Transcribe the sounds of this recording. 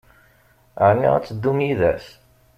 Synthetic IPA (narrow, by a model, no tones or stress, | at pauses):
ʕnːḭʁæ̰t͡sːd̪ːumiðæ̰s